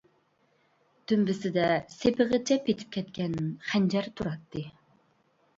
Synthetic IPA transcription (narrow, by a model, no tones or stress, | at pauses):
d̪̥ymbɪsɪd̪ɛsepʰɪʁət͡ʃʰɛpʰet̪ʰɪ̥p̚kʲʰɛt̪̚kʲɛnχænd͡ʒɛɾt̪ʰuɾɑt̪ːɨ